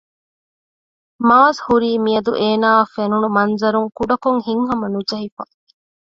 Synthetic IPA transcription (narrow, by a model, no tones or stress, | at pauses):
maːzhuɾiːmiɐd̪uʔeːnaːɐfenunumɐnzɐɾuŋkuɖɐkoŋhiŋɦɐmɐnud͡ʒɐɦifɐ